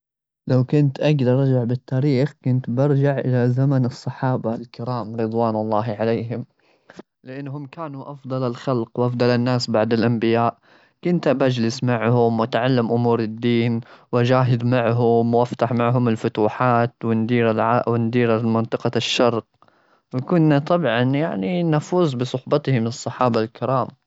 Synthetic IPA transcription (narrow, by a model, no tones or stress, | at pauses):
lawkʊnt̪ʔaɡd̪ɑɾˤɑd͡ʒaʕbɪt̪ʰːaːɾiːxkʊnt̪bɪɾˤd͡ʒaʕʔɪlazamanɨsˤːɑħɑːbalkɪɾaːmɾɨd̪ˤwaːnɑlˤːɑːɦʕaleːɦɪm | lɪʔanːɦʊmːkaːnuʔɑfd̪ˤɑlalxɑlqwʔɑfd̪ˤɑlɪnːaːsbaʕd̪ɪlʔambɪjaːʔ | kʊnt̪abad͡ʒlɪsmaʕhʊmwat̪ʕalːamʔʊmuːɾɪd̪ːiːnwʔad͡ʒaːɦɪd̪maʕɦʊmwʔaft̪aħmaʕɦʊmɪlfʊt̪uːħaːt̪wɪnd̪iːɾalʕawɪnd̪iːɾamɪnt̪ˤɨqɑʃːɑɾˤq̚ | wɪkʊnːat̪ˤɑbʕɑnjaʕninafuːzbɪsˤʊħbɑt̪hɪmɨsˤːɑħɑːbalkɪɾɑːm